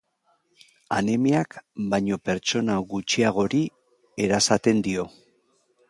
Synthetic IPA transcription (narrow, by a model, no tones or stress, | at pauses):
anemeakbajɲo̞pe̞ɾt͡ʃo̞naɣut͡ʃiaɣ̞o̞ɾi | e̞ɾasat̪e̞nd̪io̞